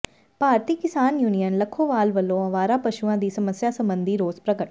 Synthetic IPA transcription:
paːɾt̪iːkɪsaːnjuːnijənləkʰːoːʋaːlʋəlːõːəʋaːɾaːpəʃuãːd̪iːsəməsjaːsəmbənd̪iːɾoːzpɾəɡəʈ

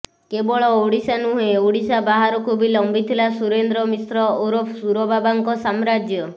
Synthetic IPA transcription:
kebɔɭɔoɽisanuɦẽoɽisabaɦaɾɔkʰubilɔmbit̪ʰilasuɾend̪ɾɔmisɾɔoɾopʰsuɾɔbabaŋkɔsamɾad͡ʒjɔ

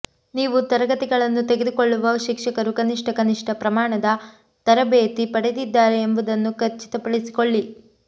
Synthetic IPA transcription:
niːʋut̪ɐɾɐɡɐt̪iɡɐɭɐnːut̪eɡe̞d̪ukoɭːuʋɐʃikʂɐkɐɾukɐniʂʈʰɐkɐniʂʈɐpɾɐmaːɳɐd̪ɐ | t̪ɐɾɐbeːt̪ipɐɽed̪id̪ːaːɾeːmbɐd̪ɐnːukɐɾt͡ʃi̥t̪ɐpɐɽisi̥koɭːi

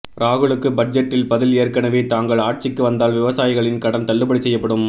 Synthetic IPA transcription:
ɾaːɣɯɭɯkːɯbɐd͡ʒɐʈːɪlpɐðɪleːɾkɐnɐʋeːt̪aːŋɡɐɭaːʈ̚t͡ʃɪkːɯʋɐnd̪aːlʋɪʋɐsaːjɪɣɐɭɪnkɐɽɐnt̪ɐɭːɯpɐɽɪsɛjːɐpːɐɽɯm

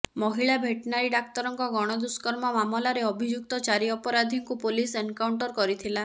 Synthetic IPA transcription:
mɔɦiɭabʱeʈnaɾiɖak̚t̪ɔɾɔŋkɔɡɔɽ̃ɔd̪uskɔɾmɔmamɔlaɾeɔbʱid͡ʒuk̚t̪ɔt͡ʃaɾiɔpɔɾad̪ʱiŋkupolisenkawɳʈɔɾkɔɾit̪ʰila

